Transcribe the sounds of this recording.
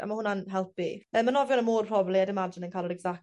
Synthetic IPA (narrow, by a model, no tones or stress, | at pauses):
a̰mahʊnanɦɛlˠpimɛmanɔvjɔnəmoːrpʰrɔblˠiadɪmad͡ʒɪnənkʰalˠəɾɛɡzak